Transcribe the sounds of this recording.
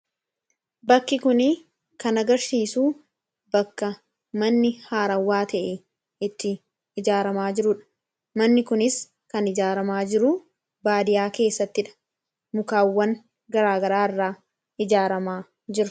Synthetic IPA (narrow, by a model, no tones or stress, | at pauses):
bɐkːɪkʊnɪ | kɐnɐɡɐɾsiːsuː | bɐkːɐ | mɐnːɪhaːɾɐwːaːt̪ʰɐʔɛ | ɪt̪ːɪː | d͡ʒaːɾɐmaːd͡ʒɪɾʊᶑɐ̥ | mɐnːɪkʊnɪs | kɐnɪd͡ʒaːɾɐmaːd͡ʒɪɾʊ | baːd̪ɪjaːke̞ːsːɐt̪ːɪᶑɐ̥ | mʊkaːwːɐŋ | ɡɐɾaːɡɐɾaːɪrːaː | ɪd͡ʒaːɾɐmaː | d͡ʒɪɾʊ